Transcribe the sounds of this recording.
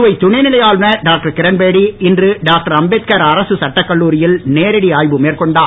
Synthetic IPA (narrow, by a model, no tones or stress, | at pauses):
ɯʋɐɪt̪ːʊɳɐnɪlɐjaːɭnɐɖaːk̚ʈɐɾkɪɾɐnbeːɽiɪndrɯɖaːk̚ʈɐɾɐmbeːt̪̚kɐɾɐɾɐsɯsɐʈːɐkːɐɭːuːɾɪjɪlneːɾɪɽiaːjbɯmeːrkɔɳɖaː